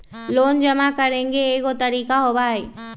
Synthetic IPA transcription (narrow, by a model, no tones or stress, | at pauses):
loːnd͡ʒɐmakɐɾẽːŋɡeːɡot̪ɐɾiːkaɦoːbaːɦeː